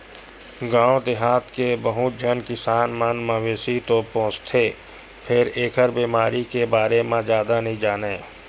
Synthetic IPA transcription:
ɡãːõd̪ɪɦaːt̪kebɐɦʊd͡ʒʱənkɪsaːnmənmãʋeːsit̪opõːt͡ʃt̪ʰeː | pʰɪɾeːkʰəɾbiːmaːɾikebaːɾemãd͡ʒjaːd̪anɐɦĩd͡ʒaːneː

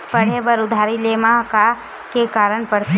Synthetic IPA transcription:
pəɽ̤ebəɾʊd̪ʱaɾilemãka | kekaːɾəɳpəɽ

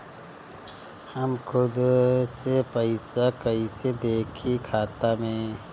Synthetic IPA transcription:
həmkʰʊd̪sepəɪsakəised̪eːkʰikʰaːt̪amẽː

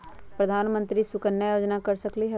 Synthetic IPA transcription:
pɾɐd̪ʱaːnmə̃nt̪ɾisʊkənjajoːd͡ʒnakɐɾsəkliɦɛ

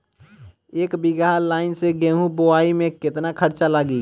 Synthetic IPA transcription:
eːkbiɡalaːɪnseɡẽɦũboaimẽket̪nakʰəɾt͡ʃaləɡli

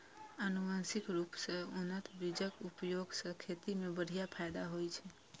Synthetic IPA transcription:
ənumansikɾupsəonət̪bɾid͡ʒəkupjoɡsəkʰet̪imebəɽ̤ijapʰajd̪aɦojt͡ʃʰɛ

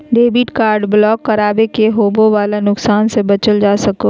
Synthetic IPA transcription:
ɖeːbɪʈkaːɾɖblɔːkːɐɾaːbekeɦoːbõʋaːlanʊksaːnsebɐt͡ʃəld͡ʒaːsɐkoː

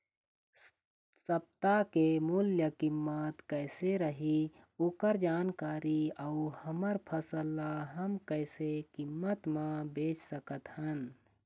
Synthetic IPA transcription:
səb̚t̪akemuljəkimːət̪kəɪseɾəɦi | ukəɾd͡ʒaːnkaːɾiauhəməɾpʰəsəlːaɦəmkəɪsekimːət̪mãbeːt͡ʃsəkət̪hən

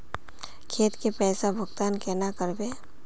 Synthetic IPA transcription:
kʰeːt̪kepɛːsabʱʊɡt̪aːnkɛnakəɾbeː

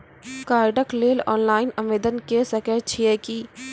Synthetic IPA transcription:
kaːɾɖəkleːlɔːnlaːɪnɐ̃mʋeːd̪ənkesɐkeːʈt͡ʃʰiekiː

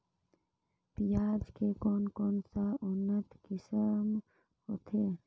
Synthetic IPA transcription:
pijaːd͡ʒkekoːnkoːnsaʊnːət̪kɪsəm | hoːt̪ʰeː

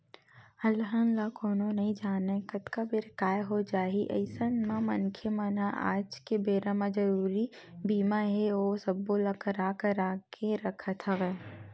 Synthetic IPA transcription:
ɐlɦənlakoːnõnɐɦĩd͡ʒaːnekət̪kabɪɾkaːjɦod͡ʒaːɦiʔɐ̰ɪsənmãmɐnkʰemənaʔa̰ːd͡ʒkebeːɾãmãd͡ʒɐɾuːɾibiːmaɦɛoːsɐbolakəɾaːkəɾaːkʰeɾɐkʰət̪ʰɐʋɛː

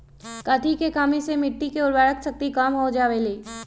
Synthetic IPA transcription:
kat̪ʰikekaːmisemɪʈːikeʊɾbaːɽəksək̚t̪ikaːmɦod͡ʒaːʋeleː

